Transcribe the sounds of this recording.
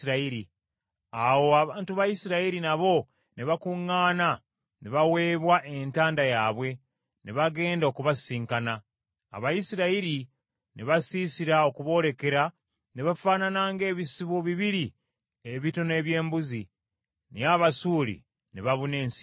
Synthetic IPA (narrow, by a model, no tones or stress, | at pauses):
ɾaiɾi | awo̞aβaːntuβajisiɾaiɾinaβo̞ | neβakuŋːaːna | neβawe̞ːβwaʔe̞ntaːndajaːβwe̞ | neβaɡe̞ːndaokuβasiːŋkana̰ː | βajisiɾaiɾi | neβasiːsiɾao̞kuβo̞ːɾe̞ke̞ɾa | neβafaːnanaːŋɡe̞ːβisiβoβiβiɾi | eβito̞ne̞ːβje̞ːmbuzi | niaβasuːlḭ | neβaβune̞ːns